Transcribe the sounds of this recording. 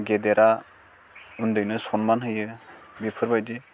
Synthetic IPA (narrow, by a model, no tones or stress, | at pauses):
ɡedeɾʔa | undɯjnɯsɔnmanɦɯjɯbipʰɯɾbajdi